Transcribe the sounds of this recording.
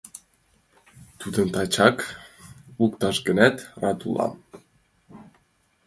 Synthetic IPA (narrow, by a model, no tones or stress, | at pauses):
t̪ud̪ə̆nt̪ɑt͡ɕɑk | ukt̪ɑʃɡənæt̪rɑt̪ulˠɑ̰m